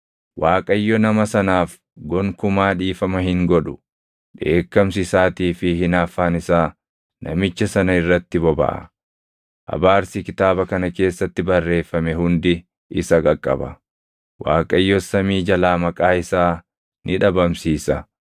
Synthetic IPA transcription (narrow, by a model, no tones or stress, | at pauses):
wʔaːkʼɐjːɔnɐmɐsɐnaːf | ɡɔŋkʊmaːᶑiːfɐmɐhɪŋɡɔᶑʊ̥ | ᶑe̞ːkːɐms̬ɪsaːt̪iːfɪhɪnaːfːaːnɪsaː | nɐ̰mɪt͡ʃːɐsɐnɐɪrːɐt̪ːɪbɔbɐ̰ʔɐ̰ | ʔɐ̰baːɾsɪkɪt̪aːbɐkɐnɐke̞ːsːɐt̪ːɪbɐrːe̞ːfːɐmɛɦʊnd̪ɪ | ɪsɐkʼɐkʼːɐ̰bɐ̰ | wa̰ːkʼɐjːɔsɐmiːd͡ʒɐlaːmɐkʼaːɪsaː | nʔɪᶑɐbɐmsiːsɐ